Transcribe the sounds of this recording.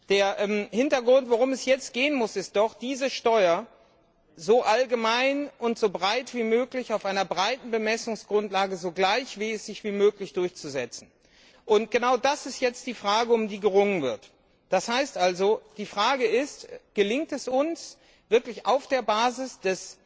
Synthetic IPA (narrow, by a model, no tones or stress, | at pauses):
d̥eːɐʔɛmhɪntɐɡʁʊntv̥oʁʊmɛsjɛt͡st̚ɡ̥eːənmʊsɪst̚d̥ɔχd̥iːzəʃtɔʏɐ | zoʔalɡəmaɪnʔʊntz̥obʁaɪtv̥iːmøːklɪçaʊfʔaɪnɐbʁaɪtn̩bəmɛsʊŋsɡ̥ʁʊntlaːɡəzoːɡlaɪçv̥iːɛsz̥ɪçv̥iːmøːklɪçd̥ʊɐçt͡suzɛt͡sn̩ | ʔʊntɡ̥ənaʊdasɪstjɛt͡st̚d̥iːfʁ̥aːɡəʊmdiːɡəʁʊŋənvɪɐt | d̥ashaɪstʔalzod̥iːfʁ̥aːɡəɪstɡ̥əlɪŋtɛsʊns | v̥ɪɐklɪçaʊfd̥eːɐbaːzɪsd̥ɛs